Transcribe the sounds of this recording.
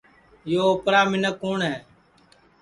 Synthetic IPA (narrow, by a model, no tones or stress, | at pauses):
joːoːpɾaːmɪnəkːoːɳɦɛː